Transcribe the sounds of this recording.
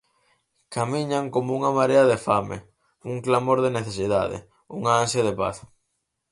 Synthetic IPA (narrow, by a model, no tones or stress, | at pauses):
kamiɲaŋkomouŋamaɾeɐðefamḛ | uŋklamoɾðeneθesiða̰ðḛ | uŋaansjaðepa̰θ